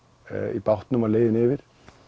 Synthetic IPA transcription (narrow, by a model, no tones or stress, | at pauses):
ḭpawht̪nʏmalejðɪnɪːvɪɾ̥